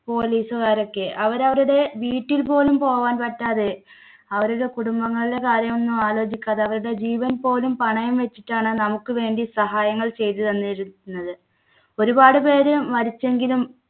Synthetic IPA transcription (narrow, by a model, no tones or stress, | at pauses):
po̞ːliːsukaːɾo̞kːe̞ʔɐʋɐɾɐʋɐɾuɽe̞ʋiːʈːilpo̞ːlumpo̞ːʋaːnpɐʈːaːðe | ɐʋɐɾuɽe̞kuɽumbɐŋːɐɭile̞kaːɾjɐmo̞nːumaːlo̞ːd͡ʑikʲːaːðeɐʋɐɾuɽe̞d͡ʑiːʋɐnpo̞ːlumpɐɳɐjumʋe̞t͡ɕːiʈːaːɳɨnɐmukːɨʋe̞ːɳɖisɐɦaːjɐŋːɐɭt͡ɕe̞jt̪ɨðɐnːiɾunːɐðɨ | o̞ɾubaːɽɨpe̞ːɾɨmɐɾit͡ɕːe̞ŋɡilum